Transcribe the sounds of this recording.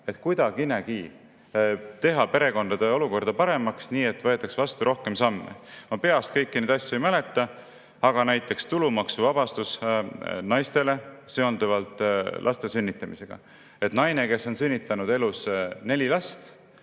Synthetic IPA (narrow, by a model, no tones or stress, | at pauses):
e̞t̪ˑkujd̪̥ɑkinekiː | t̪e̞ɦɑpe̞ɾe̞ko̞nd̪ɑd̪e̞o̞luko̞rd̪̥ɑpɑɾe̞mɑksniːe̞t̪ːvɤ̞e̞t̪ːˑɑksvɑst̪uɾo̞hke̞msɑmːḛmɑpe̞ɑst̪̚kɤjkːined̪ɑsʲjuejmæle̞t̪ːˑɑ | ɑɡ̥ɑnæjt̪ːˑe̞kst̪ulumɑksuvɑb̥ɑst̪us | nɑjst̪e̞le̞seo̞nd̪uvɑlt̪ˑlʔɑ̰st̪e̞synʲːit̪ːˑɑmise̞ɡ̥ɑ̰ | e̞t̪nɑjne̞ke̞sːo̞nsynʲːit̪ːˑɑnud̪e̞lusne̞lʲilɑst̪